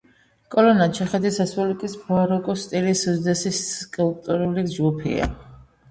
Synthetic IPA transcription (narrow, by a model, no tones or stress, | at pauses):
kʼɔlɔnat͡ʃʰɛχɛd̪isasɔlikʼisbʰɔaɾɔkʼɔst̪ʼilisuzd̪ɛsiskʼulˠp̚ʼt̪ʼuɾulid͡ʒɡupʰḭa̰